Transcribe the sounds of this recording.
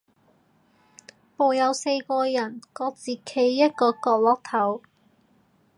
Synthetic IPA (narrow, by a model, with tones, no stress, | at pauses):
po˨wjɐ˨˧wse˧jkɔː˧jɐ˨˩nkɔː˧t͡siː˨kʰe˨˥jːɐ˥t̚kɔː˧kɔː˧k̚lɔː˨˥k̚t̪ʰɐ˨˥w